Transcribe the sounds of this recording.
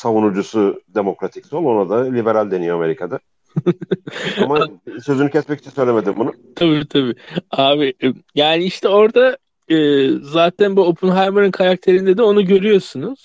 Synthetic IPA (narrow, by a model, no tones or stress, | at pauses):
savunud͡ʒusʊd̪e̞mo̞kɾat̪ʰi̥csolˠonad̪alʲibeɾalʲd̪e̞nijoame̞ɾikʰad̪a | amasø̞zynycɛsmɛci̥t͡ʃʰɛnsøjlʲemed̪imbunʊt̪ʰabiːt̪ʰabiaːbijaːnɪiʃt̪ʰɛo̞ɾd̪a | ɯːzaːt̪ʰænbuopʰunɦajmɯɾɯnkʰaɾak̚t̪ʰe̞ɾind̪ed̪ɛo̞nuɟø̞ɾyjo̞sunuz̥